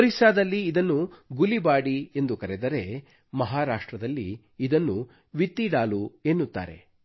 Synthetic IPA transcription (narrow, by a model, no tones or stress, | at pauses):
ɾisaːd̪ɐlːiːd̪ɐnːuɡulibaːɽiend̪ukɐɾed̪ɐɾe̞ | mɐɦaːɾaːʂʈɾɐd̪ɐlːḭː | d̪ɐnːu | ʋit̪ːiɽaːlueːnːut̪ːa̰ːɾe̞̰